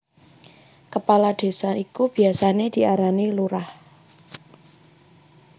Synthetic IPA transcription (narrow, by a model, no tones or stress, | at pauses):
kəpalad̪̥e̤saʔikub̥i̤asaned̪̥i̤ʔaɾaniluɾah